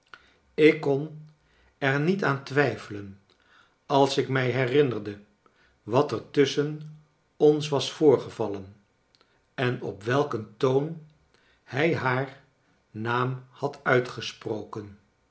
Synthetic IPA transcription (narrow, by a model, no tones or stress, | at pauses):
ɪkːɔn | ɛɹnitaːntʋɛjfələn | ɑlˠsɪkmɛjɦɛrɪnərdə | ʋɑtɛɹtɵsən | ɔnsʋɑsfʊːɹχəvɑlən | ɛnɔ̰pʋɛlˠkəntown | hɛjɦaːɹ | naːmhɑtœɥtχəsprowkən